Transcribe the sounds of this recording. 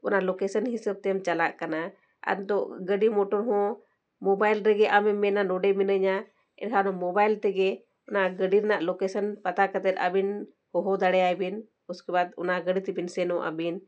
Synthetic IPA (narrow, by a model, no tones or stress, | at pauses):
ɔnalɔkɛsənɦisəb̚t̪ɛmt͡ʃala̰ʔkana | a̰ɾt̪ɔʔɡəɖimɔʈɔɾɦɔ̃ | mɔbajlɾɛɡɛʔamɛmːɛnanɔɖɛminəɲa | ɛ̰ʈ̚kʰanɔmɔbajlt̪ɛɡɛ | ɔnaɡəɖiɾnaʔlɔkɛsənpat̪akət̪ɛt̪̚a̰bin | hɔɦɔd̪aɽɛajbin | uskɛbad̪ɔ̰naɡəɖit̪ibinsɛnɔʔa̰bin